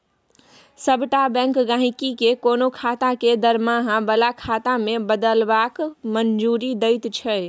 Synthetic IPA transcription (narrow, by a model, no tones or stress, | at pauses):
səbʱʈabɛ̃ŋkɡãɦikikekonokʰat̪aked̪əɾmaɦãbəlakʰat̪amebəd̪əlbakmənd͡ʒuɾid̪əɪt̪t͡ʃʰəj